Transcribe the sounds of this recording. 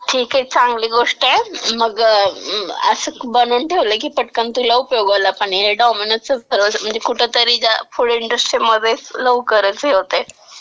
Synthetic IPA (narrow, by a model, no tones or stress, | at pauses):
ʈʰiːkɦet͡sãŋɡliːɡoʂʈəeməɡ | ə̰səkbənuːnʈʰeʋləkiːpəʈkant̪ulaupjoɡalapaɳ̃iɦeɖɔminəʈ̚səəɾʋəsəm̤əɳd͡zekuʈʰet̪əɾiːd͡ʑjafuɽiɳɖɾəsʈɾimːəd̪ʱːet͡sləʋukəɾət͡seɦot̪e